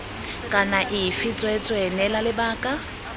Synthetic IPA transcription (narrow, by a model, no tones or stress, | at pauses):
kʼanaʔɪfɪt͡sʼwɛt͡sʼwɛnɛlalɪbaːkʼa